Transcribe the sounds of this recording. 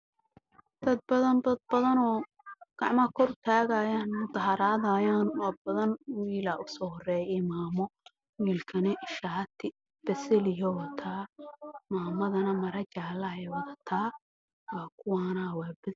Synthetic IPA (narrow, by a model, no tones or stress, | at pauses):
d̪̥ɐd̪̚bɐðɐnd̪ɐd̪̚bɐðɐnɔː | ɡ̥ɑʕmɐkʰɔrt̪ʰaːɣajaːnmʊd̪ɐɦɐɾaːðaːjaːnwɑːbɐðɐnwiːlaːʔʊsɔːhɔrɛːjɛmaːmɔ | wiːlkʰɐnɐʔɪʃaːt̪ʰɪ | b̥ɛsɛlɪjɔwt̪ʰaːmaːmɐðɐnɐmɐɾɐt͡ʃaːlɐɛwɐðɐt̪ʰaː | waːkʰʊwaːnɐwabɪs